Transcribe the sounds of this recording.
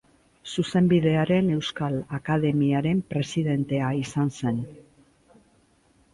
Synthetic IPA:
suse̞mbiðe̞aɾe̞ne̞wskalakað̞e̞miaɾe̞mpɾe̞siðe̞nt̪e̞aisanse̞n

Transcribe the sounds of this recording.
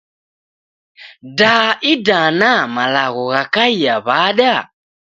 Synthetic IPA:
daʔidanamalaɣɔɣakaiaβaɗja

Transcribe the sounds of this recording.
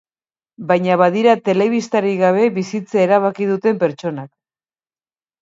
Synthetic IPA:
bajɲaβað̞iɾat̪e̞le̞β̞ist̪aɾiɣaβ̞e̞βisit͡saeɾaβ̞akið̞ut̪e̞mpe̞ɾt͡ʃo̞nak̚

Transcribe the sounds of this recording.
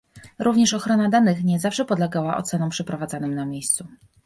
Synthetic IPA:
ɾʔuvɲɛʂɔxɾɔnad̪anɘxɲɛzafʂɛpɔd̪lɛɡawaʔɔ̰t̪sɛnɔ̃mpʂɛpɾɔvad̪zanɨmnamʲjejst̪su

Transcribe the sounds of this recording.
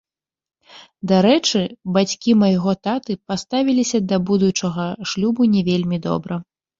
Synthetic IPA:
d̪aɾɛt͡ʂɨbat͡sʲkʲimɐjɣɔt̪at̪ɨpast̪avʲilʲisʲɐd̪ɐbud̪ut͡ʂɐɣɐʂlʲubunʲɛvʲelʲmʲid̪ɔ̰bɾɐ

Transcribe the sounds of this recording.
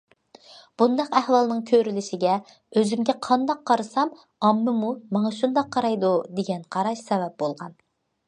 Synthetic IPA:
b̥und̪ɑqæhwɑlˠnɨŋkʲʰøɾylɪʃɪɡʲɛ | øzymɡʲɛqʰɑnd̪ɑqʰːɑɾɨsɑm | ɑmːɨmumɑŋɑʃund̪ɑqʰːɑɾɑjd̪ud̪eɡʲɛnqʰɑɾɑʃsɛvɛp̚bolˠʁɑn

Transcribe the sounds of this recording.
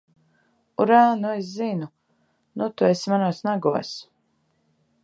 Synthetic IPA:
uɾaːnueszinu | nut̪uesmanuɔsnaɡuɔs

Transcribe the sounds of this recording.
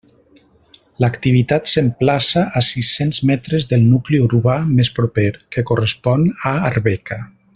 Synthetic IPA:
ləkt̪iβ̞it̪at̪semplasaʔːsisenzmɛt̪ɾəzðəlˠnukliuɾuβamespɾupeɾkekurespɔnaːɾβɛka

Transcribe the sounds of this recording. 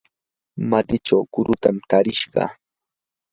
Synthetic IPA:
mat̪ɪʈ͡ʂawkʊɾʊt̪amt̪aɾɪʃɢɑ̰

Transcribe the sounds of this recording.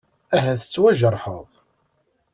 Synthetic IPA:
æɦæθə̥t͡sːwæʒəɾˤħəðˤ

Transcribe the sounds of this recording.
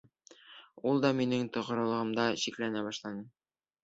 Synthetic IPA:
ulˠd̪ɑminɘŋt̪ŏʁɤ̆ɾɤ̆lˠɤ̆ʁɤ̆md̪ɑɕiklænæbɑʃlˠɑnɤ

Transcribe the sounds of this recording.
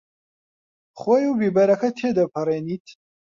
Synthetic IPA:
χʷwejubibɐɾɐkʰɐt̪ʰeːd̪ɐpʰɐɾeːniːt̪ʰ

